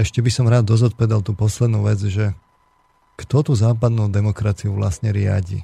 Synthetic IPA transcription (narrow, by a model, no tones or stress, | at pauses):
ɛʃcɛbisɔmɾaːd̪ːɔzɔt̪̚pɔʋɛd̪alt̪uːpɔslɛd̪nuːʋɛd͡zʒɛ | kt̪ɔt̪uːzaːpad̪nuːd̪ɛmɔkɾat͡siuʋla̰st̪ɲɛɾɪa̰ɟḭː